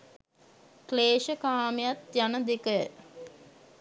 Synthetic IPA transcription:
kleːʃəkaːmejat̪janəd̪ekə

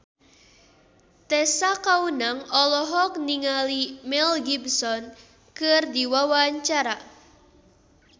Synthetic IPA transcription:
t̪ɛsakaunaŋɔlɔɦɔk̚niŋalimɛlɡibsɔn | kɨrdiwawaɲt͡ʃaɾa

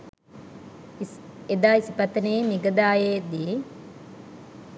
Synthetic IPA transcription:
ed̪aːisipɐt̪ːəneːmiɡəd̪aːjeːd̪i

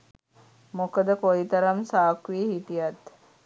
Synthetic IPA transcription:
mokəd̪əkojit̪əɾamsaːkɾiəɦit̪ijat̪

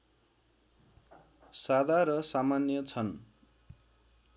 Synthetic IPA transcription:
sad̪ʱaɾʌsamanjʌt͡sʰʌn

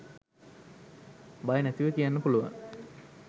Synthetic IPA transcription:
bajənæt̪iʋəkijanːəpuluʋa̰ŋ

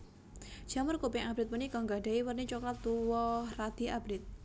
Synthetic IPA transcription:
d͡ʒ̥amərkupiŋʔab̥ɾɪt̪̚mənikɔŋɡaɖ̥aiwərnit͡ʃɔklat̪ːuwɔhrad̪̥i̤abɾɪt̪̚

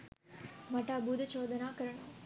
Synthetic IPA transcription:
mɐʈaːbuːd̪ɐt͡ʃoːd̪ɐnaːkɐɾɐɳɐː

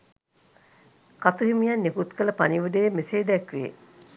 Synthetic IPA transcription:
kat̪uɦimijanːekut̪kələpaniʋəd̪əjemeseːd̪ɛkʋḛː

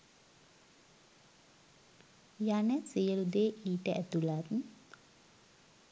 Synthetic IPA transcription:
janəsijəlud̪eːʔiːʈəʔɛt̪ulat̪n̩

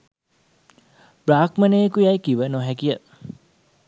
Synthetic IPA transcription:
b̥ɾaːkmɐneːkujajkiʋənoɦɛkijə

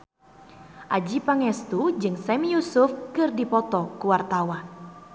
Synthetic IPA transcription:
ʔad͡ʒipaŋɛst̪ud͡ʒɨŋsɛmijusufkɨrdipɔt̪ɔkuwart̪awan

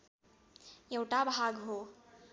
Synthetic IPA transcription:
jewʈabʱaɡɦo

